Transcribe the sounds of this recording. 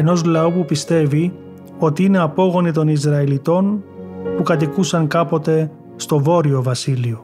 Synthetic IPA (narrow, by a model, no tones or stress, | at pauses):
eno̞zlɐupupist̪e̞vi | o̞t̪iine̞ɐpo̞ɣo̞nit̪o̞nizɾɐilit̪o̞npukɐt̪̬ikusɐŋkɐpo̞t̪e̞ | st̪o̞vo̞ɾio̞vɐsilio̞